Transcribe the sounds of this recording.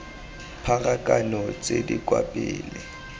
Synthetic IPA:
pʰaɣʼakʼanɔt͡sʼedikʼwapʼɪːlɪ

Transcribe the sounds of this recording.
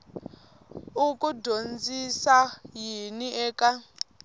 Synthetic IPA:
ukʼudʱond͡zisajiniɛːkʼa

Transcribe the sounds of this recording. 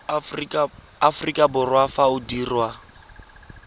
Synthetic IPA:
afrikʼabʊrwafaʊdiːrwa

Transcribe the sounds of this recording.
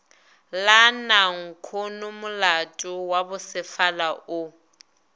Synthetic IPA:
lanaŋ̩kʰonʊmʊlatʼʊwabʊsɪfalaʔʊ

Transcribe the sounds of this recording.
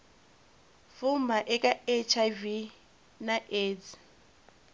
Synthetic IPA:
fumbaʔɛkʼaet͡ʃʰavi | naʔeːd͡z

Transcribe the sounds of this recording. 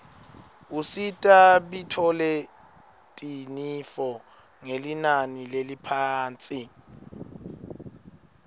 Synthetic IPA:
usitʼaɓitʰɔlɛ | tʼinifɔ | ŋelinanilelipʰaːnt͡sʼi

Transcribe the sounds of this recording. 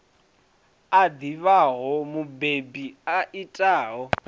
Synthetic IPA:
ad̪iβaɦɔmubebiaʔitʼaːɦɔ

